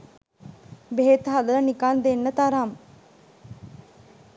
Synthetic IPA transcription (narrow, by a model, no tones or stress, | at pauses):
beɦet̪ɦad̪ɐɾənikaːnd̪enːət̪aɾaːm